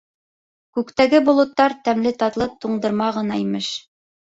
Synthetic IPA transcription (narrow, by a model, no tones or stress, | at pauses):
kʉkt̪æɡɘbolˠɤ̆t̪ːɑɾt̪æmlɘt̪ɑt̪lˠɤp̚t̪uɴd̪ɤ̆ɾmɑʁɤ̆nɑimɘʃ